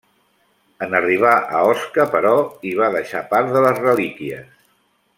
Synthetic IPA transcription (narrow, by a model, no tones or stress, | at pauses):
ənəriβ̞aʔə̰ɔskəpəɾɔiβ̞aðəʃapaɾðələzrəlikiəs